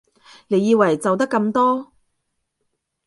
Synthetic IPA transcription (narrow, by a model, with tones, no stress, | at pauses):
ne˨˧jːiː˧wɐ˨˩jt͡sɐ˨wt̪̬ɐ˥kːɐ˧mt̪ɔː˥